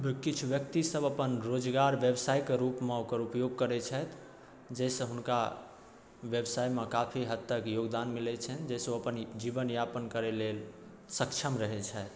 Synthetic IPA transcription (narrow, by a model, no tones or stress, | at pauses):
bkit͡ʃʰuʋjək̚t̪isəbəpənɾod͡ʒɡaɾʋjəbsajkeɾupmẽukəɾupjoɡ̚kəɾɛt͡ʃʰɛt̪ʰ | d͡ʒɛsə̃ɦunka | ʋjəbsajmekapʰiɦət̪ːəkjoɡd̪anmilɛt͡ʃʰɛnd͡ʒɛsoəpənd͡ʒibənjapənkəɾelel | səkt͡ʃʰəmɾəɦɛt͡ʃʰəet̪